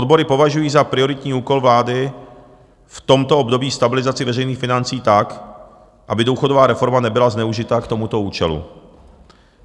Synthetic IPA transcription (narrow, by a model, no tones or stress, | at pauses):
od̪bo̞ɾɪpo̞vaʒujiːzapɾɪoɾɪt̪ɲiːuːko̞lvlaːdɪ | ft̪o̞mt̪oobdo̞biːst̪abɪlɪzat͡sɪvɛrɛjniːxfɪnant͡siːt̪ak | ʔabɪduwxo̞dovaːɾɛfo̞ɾmanɛbɪlaznɛuʒɪt̪aːkt̪o̞mut̪o̞uːt͡ʃɛlṵ